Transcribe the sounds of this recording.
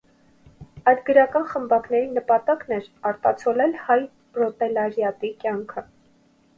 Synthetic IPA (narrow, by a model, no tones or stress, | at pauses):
ɑjd̪ɡəɾɑkɑnχəmbɑknɛɾinəpɑt̪ɑkn̪ɛɾɑɾt̪ɑt͡sʰɔlɛlhɑj | pɾɔt̪ɛlɑɾjɑt̪ikjɑŋkʰə